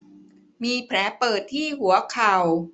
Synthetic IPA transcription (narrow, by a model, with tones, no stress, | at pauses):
miː˧pʰɾɛː˩˦˥pɤː˨˩t̪ʰːiː˥˩hu˩˦ɐkʰa˨˩w